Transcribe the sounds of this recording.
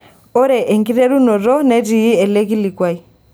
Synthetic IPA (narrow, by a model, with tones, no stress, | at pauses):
ɔ˦ɾɛ˨ʔɛ˨ŋɡi˦ɾɛ˦ɾu˦nɔ˨ɾɔ˦nɛ˦ɾi˨i˦ɛ˨lɛ˦ɣi˦li˨kwa˦i˨